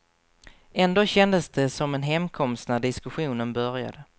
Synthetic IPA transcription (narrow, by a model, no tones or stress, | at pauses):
ɛnd̪oːɕɛnd̪əsd̪ɛsɔmɛnɦɛmkʰɔmst̪næɖɪskɵɧuːnənbœɾja̰d̪ə